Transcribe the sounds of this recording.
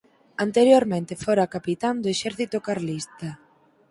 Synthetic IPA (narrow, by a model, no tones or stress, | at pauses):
ant̪eɾjoɾmẽnt̪efoɾakapit̪and̪oeʃɛɾθit̪okaɾlist̪a